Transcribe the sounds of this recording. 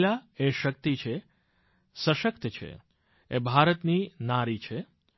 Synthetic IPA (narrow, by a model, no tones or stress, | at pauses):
laeʃək̚t̪it͡ʃʰe | səʃəkt̪t͡ʃʰḛ | ebʱaɾət̪ninaɾit͡ʃʰe